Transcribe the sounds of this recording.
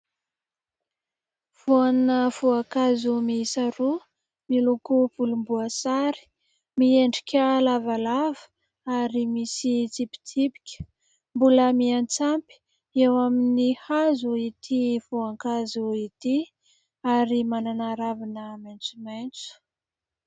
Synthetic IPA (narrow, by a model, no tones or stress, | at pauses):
v̥uannəvuakazumiisaɾu | milukupulumbuəsaɾi̥ | mieɳɖ͡ʐikʲəlavalavə̥ | aɾimisit͡sipi̥t͡sʰipi̥kʲə̥ | mbuləmiant͡sampi̥ | ewaminihazuit̪ʰivuaŋkazuit̪i | aɾimananaɾavinəment͡sument͡su̥